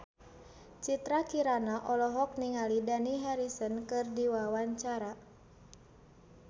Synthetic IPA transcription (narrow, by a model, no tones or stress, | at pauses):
t͡ʃit̪ɾakiɾanaʔɔlɔɦɔk̚niŋalidaniɦɛɾisənkɨrdiwawaɲt͡ʃaɾa